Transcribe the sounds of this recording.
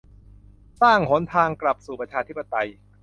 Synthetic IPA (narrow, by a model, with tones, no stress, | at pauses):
saː˥˩ŋho˩˦nt̪ʰaː˧ŋkla˨˩p̚suː˨˩pɾa˧t͡ɕʰaː˧t̪ʰi˦˥pːa˧t̪a˧j